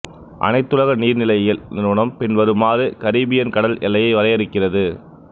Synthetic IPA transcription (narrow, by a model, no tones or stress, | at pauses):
ʔɐ̰nɐɪt̪ːɯɻɐɣɐniːɾnɪlɐjjɪlnɪɾɯɳɐmpɪnʋɐɾɯmaːɾɯkɐɾiːbɪjɐnkɐɽɐlʔɛlːɐjɐɪʋɐɾɐjɛɾɯkːɪrɐðɯ